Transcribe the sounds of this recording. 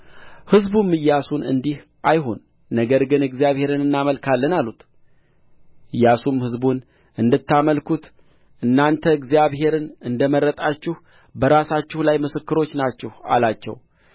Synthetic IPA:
hɨzbumːɨjːasunɨ̰nd̪ih | ʔajɦo̞nː | əɡəɾɡɨnɨɡzijaβhe̞ɾɨnɨnːaməlkʰalːənalːut̪ | ɨjːasumhɨzbun | ɨnd̪ɨt̪ːaməlkut̪ | ʔɨnːant̪ʰəɨɡzijaβɦe̞ɾɨnɨnd̪əməɾːət̪ʼat͡ʃːɪh | bəɾasat͡ʃːɪhulajmɨsɨkːɨɾo̞t͡ʃːnat͡ʃːɛha̰lat͡ʃːɛ̰w

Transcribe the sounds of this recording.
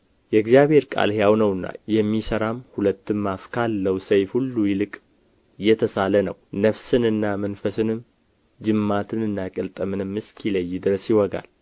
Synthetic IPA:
jɛɨɡzijaβhe̞ɾkʼa̰lhjawnəwɨnːa̰jɛmːisəɾamhulət̪ːɨmːafkʰalːəwsəjfhulːujɪlɨkʼ | jɛt̪ʰəsalənəwnəfsɨnɨnːamənfəsɨnɨm | d͡ʒɨmːat̪ʰɨnɨnːakʼəlt̪ʼəmɨnɨmːɨskʰiləjːd̪ɨɾəsjɪwɔɡa̰l

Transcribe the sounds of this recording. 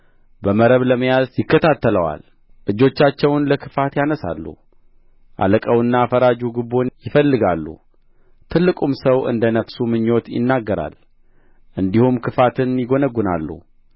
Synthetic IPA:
bəməɾəβləməjazjɪkːət̪ʰat̪ːələwa̰l | ʔɨd͡ʒːo̞t͡ʃːat͡ʃːɛwnləkʰɨfat̪janəsa̰lːṵ | ʔa̰ləkʼəwɨnːaːfəɾad͡ʒuɡɨbo̞njɪfəlːɨɡalːṵ | t̪ʰɨlːɨkʼumsəwʔɨ̰nd̪ənəfsumɨɲːo̞t̪jɪ̰nːaɡːəɾa̰l | ʔɨnd̪ihumkʰɨfat̪ʰɨnjɪɡo̞nəɡːuna̰lːṵ

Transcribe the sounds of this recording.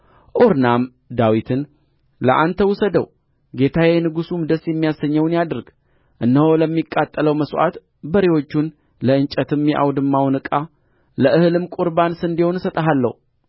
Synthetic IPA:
ʔoɾnam | d̪awit̪ʰɨn | lə̰ʔant̪ʰəwusəd̪ə̰w | ɡe̞t̪ʰawɛnɨɡusumd̪əsjɛmːijasəɲːəwnjad̪ɨɾɡ̥ | ʔɨnːəho̞ləmːikʼːat̪ʼːələwməsʔa̰t̪ | bəɾewo̞t͡ʃːun | ləɨnt͡ʃʼət̪ɨmjɛʔa̰wd̪ɨmːawnɨkʼa | ləʔɨhɨlɨmkʼuɾbansɨnd̪iho̞nsət̪ʼəɦalːə̰hu

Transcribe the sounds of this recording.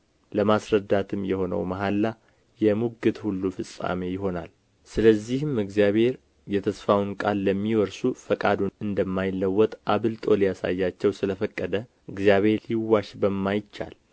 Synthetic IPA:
ləmasɾəd̪ːat̪ʰɨmjɛho̞nə̰wmaɦalːa | jɛmuɡɨt̪hulːufɨsʼa̰me̞jɪɦo̞na̰l | sɨləzːihɨmɨɡzijaβhe̞ɾ | jɛt̪ʰəsfawnkʼalːəmːiwɔɾsufəkʼad̪unɨnd̪əmːajɪlːəwːɔt̪ʼʔaβɨlt̪ʼo̞lijasa̰jːat͡ʃːɛwsɨləfəkʼːəd̪ə | ʔɨɡzijaβe̞ɾliwːaʃbəmːajɪt͡ʃːa̰l

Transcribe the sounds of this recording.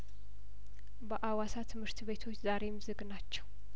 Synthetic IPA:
bəʔawasat̪ʰɨmhɨɾt̪βe̞t̪ʰo̞t͡ʃːzaɾe̞mzɨɡnat͡ʃːɛw

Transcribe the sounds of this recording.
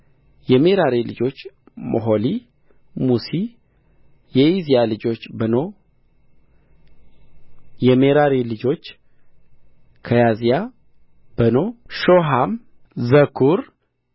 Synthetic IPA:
jɛmeɾaɾelɨ̰d͡ʒo̞t͡ʃː | mo̰ɦoli | musi | jɛizijalɨd͡ʒo̞t͡ʃːbəno̞ | jɛmeɾaɾelɨd͡ʒo̞t͡ʃː | kʰəjazija | b̥ənoʃoɦam | zəkʰuɾ

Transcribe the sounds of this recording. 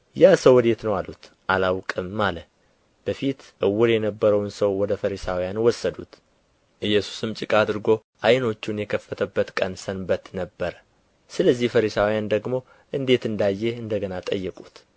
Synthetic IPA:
jasəwɔd̪e̞t̪nəwalːṵt̪ | ʔalawkʼɨmːalə | b̥əfit̪ʔɨwːʊɾjɛnəbːəɾəwnsəwwɔd̪əfəɾisawijanwɔsːəd̪ut̪ | ʔɨjːɛsu̥sɨmt͡ʃʼɪkʼad̪ɨɾɡo̞ | ʔajno̞t͡ʃːunjɛkʰəfːət̪ʰəbːət̪kʼənsənbət̪nəbːəɾə | sɨləzːihfəɾisawjand̪əɡmo̞ | ʔɨnd̪e̞t̪ɨnd̪ajːeɨnd̪əɡənat̪ʼəjːɛkʼut̪

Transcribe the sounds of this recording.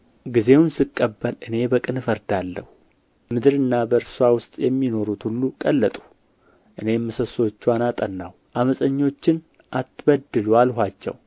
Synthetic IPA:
ɡize̞wnsɨkʼːəbːəlʔɨne̞bəkʼɨnfəɾd̪alːə̰hu | mɨd̪ɨɾɨnːabəɾsuawʊst̪ʼjɛmːino̞ɾut̪hulːukʼəlːət̪ʼu̥ | ʔɨne̞mːɨsəso̞t͡ʃːanat̪ʼənːa̰w | ʔaməsʼəɲːo̞t͡ʃːɪn | ʔat̪ːbəd̪ɨlualɦʷat͡ʃːɛ̰w

